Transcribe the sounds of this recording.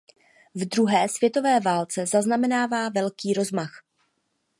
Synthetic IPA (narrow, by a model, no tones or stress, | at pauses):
vdɾuɦɛːsvjɛt̪o̞vɛːvaːlt͡sɛzaznamɛnaːvaːvɛlkiːɾo̞zmax